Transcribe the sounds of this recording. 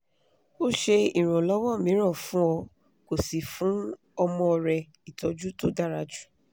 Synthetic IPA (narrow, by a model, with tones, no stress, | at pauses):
o˦˨ʃe˧i˨ɾ̃ũ˨lɔ˨˦wɔ̃˦˨mĩ˨˦ɾ̃ɔ̃˦˨fũ˦ɔ˧ | ko˨si˨fũ˨˦ | ɔ˧mɔ̃˧ɔ˧ɾɛ˧ | i˨tɔ˨˧d͡ʒu˦to˦da˦ɾa˧d͡ʒu̥˦